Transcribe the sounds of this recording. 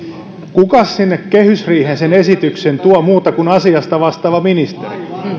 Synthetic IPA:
kukɑssinːekkehysriːhensenesit̪yksent̪uomuːt̪ɑkunɑsiɑst̪ɑʋɑst̪ɑːʋɑminist̪eri

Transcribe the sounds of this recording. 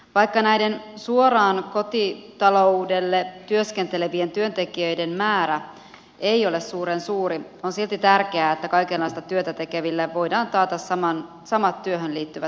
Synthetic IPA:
ʋɑjkːɑnæjde̞nsuoɾɑːnko̞t̪it̪ɑlo̞ude̞lːet̪yøsk̟ent̪e̞le̞ʋie̞nt̪yønt̪e̞kiøjde̞mmæːɾæ | e̞ijo̞le̞ssuːɾensuːɾio̞nsilt̪it̪ærk̟eæːet̪ːækɑjkelːɑjst̪ɑt̪yøt̪æt̪e̞keʋilːeʋo̞jdɑːnt̪ɑːt̪ɑssɑmɑn | sɑmɑt̪ːyøɦønliːt̪ːyʋæ

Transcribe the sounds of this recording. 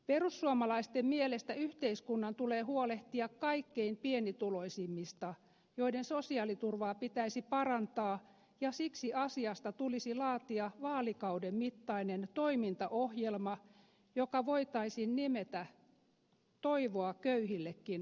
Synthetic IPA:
perusːuɑmɑlɑist̪emmielest̪æyht̪eiskunːɑnt̪uleːhuoleht̪iɑkkɑikːeimpienit̪uloisimːist̪ɑ | joidensosiɑlit̪urʋɑːpit̪æisipɑrɑnt̪ɑː | jɑsiksiɑsiɑst̪ɑt̪ulisilɑːt̪iɑʋɑːlikɑudemmit̪ːɑinent̪oimint̪ɑʔohjelmɑ | jokɑʋoit̪ɑisinnimet̪æ | t̪oiʋoɑkøyhilːekːin

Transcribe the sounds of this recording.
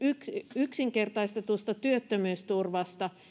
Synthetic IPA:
yksyksiŋkert̪ɑist̪ɑt̪uost̪ɑt̪yøt̪ːømyːst̪urʋɑst̪ɑ

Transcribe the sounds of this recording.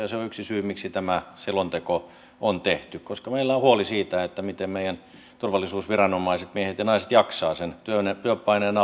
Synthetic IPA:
jɑseoyksisyːmiksit̪æmæselont̪eko | ont̪eht̪ykkoskɑmeilːæohuolisiːt̪æet̪ːæmit̪emmeijæn | t̪urʋɑlːˑisuːsʋirɑnomɑiset̪miehet̪jɑnɑiset̪jɑksɑːsent̪yønet̪yøpːˑɑineːnɑ

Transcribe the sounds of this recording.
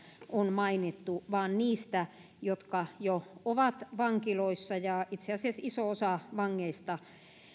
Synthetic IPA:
ʔonmɑinit̪ːuʋɑːnniːst̪æ | jot̪kɑjooʋɑt̪ʋɑŋkiloisːɑjɑit̪seɑsiæsisoosɑʋɑŋːeist̪ɑ

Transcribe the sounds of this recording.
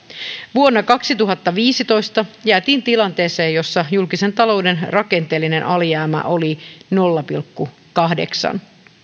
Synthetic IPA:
ʋuonːɑkɑksit̪uɦɑt̪ːɑʋiːsit̪o̞jst̪ɑjæːt̪iːnt̪ilɑnt̪e̞ːse̞ːjo̞sːɑjulkisent̪ɑlo̞wde̞nrɑke̞nt̪e̞ːlːine̞nʔɑljæːmæ̰ʔo̞lino̞lːɑpilkːu | kɑɦde̞̰ksɑ̰n

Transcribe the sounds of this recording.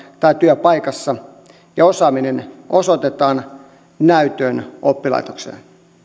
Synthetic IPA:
t̪ɑit̪yøpɑjkɑsːɑ | jɑosɑːminenʔosot̪et̪ɑːn | næyt̪øːnʔopːilɑ̰jt̪oksḛːn

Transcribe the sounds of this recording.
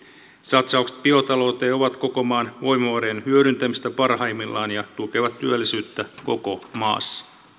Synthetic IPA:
sɑt̪sɑukse̥t̪̚pio̞t̪ɑlo̞ːt̪eːo̞ʋɑt̪ko̞ko̞mɑːnʋo̞jmɑʋɑɾeenhyøɾynt̪æmist̪æpɑrɦɑimːilːɑːnjɑt̪ukeʋɑt̪tyølːisyːt̪ːæko̞ko̞mɑ̰ːsːɑ̥

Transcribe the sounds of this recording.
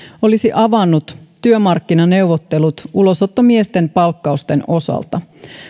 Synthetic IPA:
o̞lisiʔɑʋɑnːut̪t̪ːyømɑrkːinɑne̞wʋot̪ːe̞lut̪ulo̞sot̪ːomiest̪e̞mpɑlkːɑust̪enʔo̞sɑ̰lt̪ɑ

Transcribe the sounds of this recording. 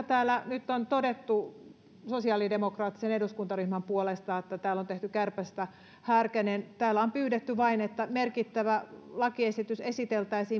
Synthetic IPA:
t̪æːlːˑænyt̪ːont̪odet̪ːu | sosiɑlidemokrɑːt̪ːiseneduskunt̪ɑryhmɑmpuolest̪ɑet̪ːæt̪æːlːont̪eht̪ykærpæst̪æ | hæːrkænent̪æːlːæompyːɾet̪ːyʋɑinet̪ːæmerkit̪ːæʋælɑkiesit̪ysesit̪elt̪æisiː

